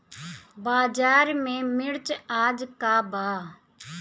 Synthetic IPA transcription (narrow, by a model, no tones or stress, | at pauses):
baːd͡ʒaːɾmẽːmɪɽt͡ʃaːd͡ʒkaːbaː